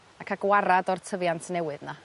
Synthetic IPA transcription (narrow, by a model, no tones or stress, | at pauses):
akʰaɡwaɾadɔrtʰəvjantʰnɛwɨðna